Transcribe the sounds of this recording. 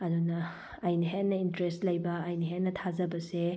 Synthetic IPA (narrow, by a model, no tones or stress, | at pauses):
ɐdunɐː | jniɦennːɐintɾestlɐjbɐːjniɦenːɐtʰazɐbɐse